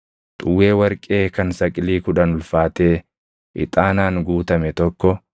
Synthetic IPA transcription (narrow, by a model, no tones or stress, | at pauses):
t̪ʼʊwːe̞ːwɐɾkʼe̞ːkɐnsɐkʼɪliːkʊᶑɐnʊlfaːt̪e̞ː | ʔɪ̰t̪ʼaːnaːŋɡuːt̪ɐmɛt̪ɔkːɔ